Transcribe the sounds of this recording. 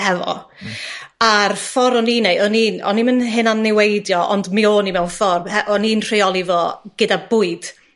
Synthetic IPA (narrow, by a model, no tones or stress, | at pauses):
hɛvɔ̰ | arfɔɾɔninejʔɔninɔ̰nimənɦɪnanːɪwejdjɔʔɔ̰ndmioːnimɛwnfɔrmhɛʔɔninr̥eɔlˠivoːɡ̥ɨdabʊːɨd̥